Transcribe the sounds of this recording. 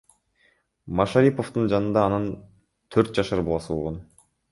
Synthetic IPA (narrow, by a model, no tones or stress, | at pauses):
mɑʃaɾʲipo̞ft̪und͡ʒɑnɯnd̪ɑːnɯn | t̪ʰøɾt̪̚d͡ʒɑʃɯɾbolˠɑsɯolˠʁon